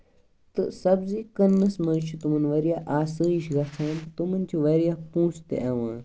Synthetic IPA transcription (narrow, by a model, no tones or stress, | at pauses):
t̪ɨ̰sɐbzikɐnːɐsmɐnt͡ʃʰut̪umɐnʋɐɾijaːʔaːsəːiʃɡɐt͡sʰaːnt̪t̪umɐnʲt͡ʃʰuʋɐɾijapũːsʰt̪ḛʔɐʋãː